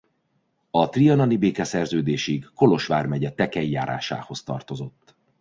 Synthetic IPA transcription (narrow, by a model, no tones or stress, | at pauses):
ɒt̪rijɒnɒnibeːkɛsɛrzøːd̪eːʃiɡːo̞lo̞ʃʋaːrmɛɟɛt̪ɛkɛjːaːɾʔa̰ːʃa̰ːho̞st̪ɒ̰rt̪o̞zo̞t̪ː